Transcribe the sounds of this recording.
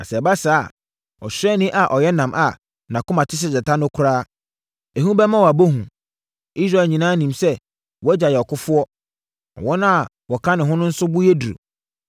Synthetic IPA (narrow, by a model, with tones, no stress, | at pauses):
na̰˨sɛ˨ba˦saː˦˨ | ɔ˨ɕᶣɛ˦nɪ̃˦ʔa˨ʔɔ˨jɛ˦nã˨mʔa˨ | nã˨kʊ˦mã˨tʰɪ˦s̬ɪ˦sɛ˨tʰã˦nʊ̃˦kʰʊ˦ɾaː˦ | e˨hũ˦bɛ˦mã˦wa˨bo˦ɦũ˨ | i˦s̬ɾa˨ɲĩ˨nãː˦nĩ˨msɛ˦ | wɔ˨˦ɛ˦d͡ʑa˨jɛ˨ɔ˨kʊ˦fʊ˦ɔ˦ | ɔ̰˨wɔ̃˦nã˦a˨ | wɔ˨kʰã˦nɪ̃˨ɦʊ̃˦nʊ̃˦n̩˦sʊ˦bʊ˦jɛ˦du˨ɾo̰˨